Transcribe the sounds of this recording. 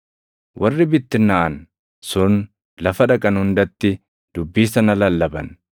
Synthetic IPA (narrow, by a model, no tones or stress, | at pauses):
wʔɐrːɪbɪt̪ːɪnːaʔɐn | sʊn | lɐfɐᶑɐkʼɐnhʊnd̪ɐt̪ːɪ | d̪̥ʊbːiːsɐnɐlɐlːɐbɐ̰n